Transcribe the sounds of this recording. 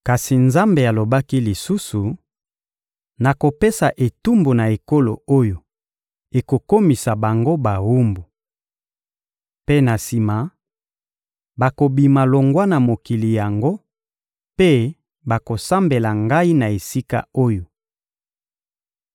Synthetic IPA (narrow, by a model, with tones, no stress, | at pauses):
ka˨si˨nza˦mbe˨a˨lo˨ba˦ki˦li˨su˦su˨ | na˨ko˨pe˦sa˨ʔe˨tu˦mbu˨na˨e˨ko˦lo̰˨o˦jo˨ | e˨ko˨ko˦mi˨sa˨ba˨ŋɡo˦ba˨wu˦mbu˨ | pe˦na˨si˨ma˨ | ba˨ko˨bi˨ma˨lo˨ŋɡwa˦na˨mo˨ki˨li˨ja˨ŋɡo˦ | pe˦ | ba˨ko˨sa˦mbe˨la˨ŋɡa˦i˦na˨e˨si˦ka̰˦o˦jo˨